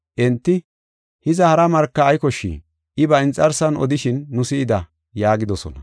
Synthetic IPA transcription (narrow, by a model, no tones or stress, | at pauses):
ʔɛnt̪ːɪ | hɪzɐhɐɾɐmɐɾkːɐːjkɔʃːḭː | ʔɪbɐɪnt͡sʼːɐɾsɐnɔ̰d̪ɪʃɪnːʊsɪːɪd̪ɐ | jaːɡɪd̪ɔsɔ̰nɐ